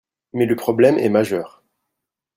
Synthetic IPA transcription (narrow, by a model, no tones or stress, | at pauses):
mɛləpχɔblɛmɛ̰maʒœːʁ